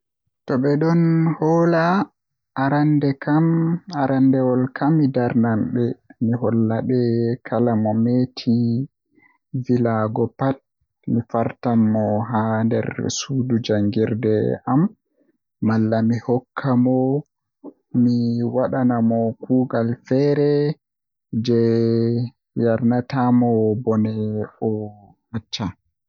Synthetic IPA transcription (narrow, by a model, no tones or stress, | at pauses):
tɔɓɛɗɔnhɔla | ʔːɾandɛkamaɾandɛwɔlkamːidaɾnamɓɛmiɦɔlːaɓɛkʰalamɔmetʰi | vilaɡɔpat̚ | mifaɾtamːɔɦandɛ̰ɾsudud͡ʒaŋɡiɾdɛʔamː | alːamihɔkʰːamɔ | miwaɗanamɔkuːɡalfɛɾɛ | d͡ʒɛ | jaɾnatamɔbɔnɛɔ | mat͡ʃːa